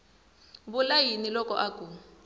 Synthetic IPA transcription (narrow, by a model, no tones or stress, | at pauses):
bulajinilɔkɔʔakʼu